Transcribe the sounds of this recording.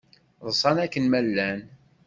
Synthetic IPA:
ðˤəsˤɑnækːənmælːæn

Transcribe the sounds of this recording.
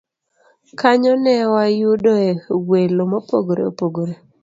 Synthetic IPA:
kaɲɔnɛwajudɔewelomɔpo̰ɡoɾḛo̰poɡoɾe

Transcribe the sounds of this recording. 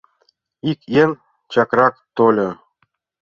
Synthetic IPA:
ikʲjen | t͡ɕɑkɾɑkt̪olʲɤ

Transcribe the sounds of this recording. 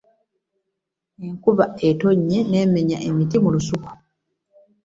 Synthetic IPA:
eŋkuβaeto̞ɲːe̞ne̞ːme̞ɲa̰ʔe̞mitimulusuko̥

